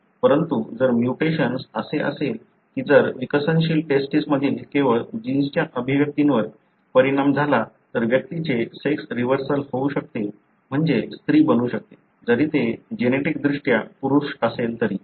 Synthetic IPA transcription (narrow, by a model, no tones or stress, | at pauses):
pəɾənt̪ud͡zəɾmjuʈeɕənsəseʔə̰sel | kiːd͡zəɾʋikəsənɕiːlʈesʈisməd̪ʱiːlekeʋəɭd͡ʑinst͡ɕjaʔəbʱiʋjək̚t̪inʋəɾ | pəɾiɽamd͡zʱala | t̪əɾʋjək̚t̪it͡ɕeseksɾiʋəɾsəlhouɕək̚t̪e | m̤əɳd͡zest̪ɾiːbənuːɕək̚t̪e̥ | d͡zəɾiːt̪ed͡ʑeneʈik̚d̪ɾuʂʈjapuɾuɾʂəselt̪əɾiː